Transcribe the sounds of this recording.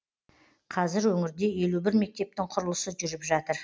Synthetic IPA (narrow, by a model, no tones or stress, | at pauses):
qʰɑzɪɾwɵŋɪɾd̪e̞je̞lubɪɾme̞k̚t̪e̞p̚t̪ɪŋqʰʊɾəlˠəsəʒʏɾɪpʒɑt̪əɾ